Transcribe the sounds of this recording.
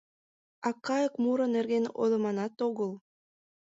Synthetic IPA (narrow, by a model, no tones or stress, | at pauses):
ɑkːɑjə̆kmuɾə̆nerɣeno̰lˠɤ̆mɑnɑt̪oɣəl